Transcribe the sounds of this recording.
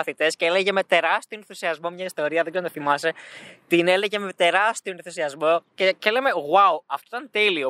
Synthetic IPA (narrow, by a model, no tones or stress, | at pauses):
ɐθit̪e̞sceeleʝeme̞t̪e̞ɾɐst̪ionenθusiɐzmo̞mɲɐist̪o̞ɾiɐðeɡzent̪iθimɐse̞t̪ine̞leʝemet̪e̞ɾɐst̪io̞neθusiɐzmo̞ceceleme̞ɣwauɐft̪oit̪ɐnt̪elio